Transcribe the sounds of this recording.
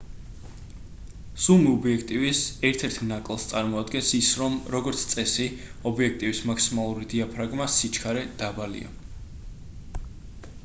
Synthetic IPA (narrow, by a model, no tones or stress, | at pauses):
sumiɔbiɛkʰt̪ʼivisɛɾt̪ʰɛɾt̪ʰnakʼlˠst̪sʼaɾmɔad̪ɡɛnsisɾɔmɾɔɡɔɾt̪sʰt̪sʼɛsiɔbiɛk̚ʰt̪ʼivismaksimalˠuɾid̪iapʰɾaɡmasit͡ʃʰkʰaɾɛd̪̥abalḭa̰